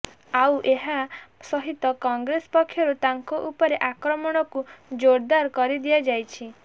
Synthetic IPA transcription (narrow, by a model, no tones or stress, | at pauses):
awʔeɦasɔɦit̪ɔkɔŋɡɾespɔkʰːjɔɾut̪aŋkɔʔupɔɾeʔakɾɔmɔɽ̃ɔkud͡ʒoɾd̪aɾkɔɾid̪iad͡ʒajt͡ʃʰi